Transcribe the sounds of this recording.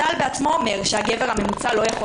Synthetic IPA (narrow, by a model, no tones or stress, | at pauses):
albeat͡smoːme̞ʁʃehaɡeveʁhame̞mut͡salo̞jaχo